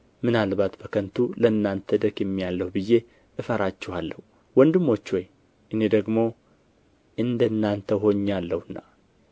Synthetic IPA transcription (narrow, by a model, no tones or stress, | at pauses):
mɨnalbat̪bəkʰənt̪ʰuləɨnːant̪ʰəd̪əkjɛmːijalːəhubɨjːe̞ | ʔɨfəɾat͡ʃːɛhalːəhu | wɔnd̪ɨmːo̞t͡ʃːwoj | ʔɨne̞d̪əɡmo̞ | ʔɨnd̪ənːant̪ʰəɦo̞ɲːalːəhɨnːa